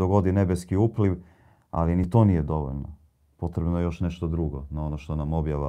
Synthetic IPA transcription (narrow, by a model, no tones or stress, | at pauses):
oɡo̞d̪ine̞beskiuːpliʋ | a̰linit̪o̞ːnijed̪o̞ʋo̰ʎno̰ | po̞t̪ɾebnojejo̞ʃne̞ʃt̪od̪ɾuɡonao̞noʃt̪o̞namo̞bjaʋa